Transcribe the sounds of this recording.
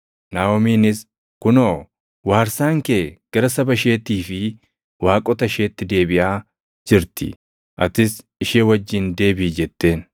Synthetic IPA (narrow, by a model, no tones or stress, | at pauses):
naːɔmiːnɪs | kʊnoː | waːɾsaːŋkeːɡ̥ɐɾɐsɐbɐʃe̞ːt̪iːfɪ | waːkʼɔt̪ɐʃe̞ːt̪ːɪd̪e̞ːbɪʔaː | d͡ʒɪɾt̪ɪ̰ | ʔɐt̪ɪs | ɪʃeːwɐd͡ʒːɪnd̪e̞ːbiːd͡ʒɛt̪ːe̞ːn